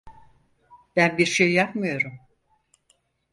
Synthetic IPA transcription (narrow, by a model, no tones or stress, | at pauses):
b̥ænbiɾʃejːapmɯjo̞ɾum